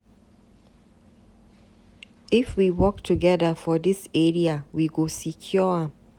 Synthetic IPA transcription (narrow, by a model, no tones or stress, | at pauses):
ifwiwɔktʰuɡɛðəfɔdiseɹiawiɡosikʰjɔa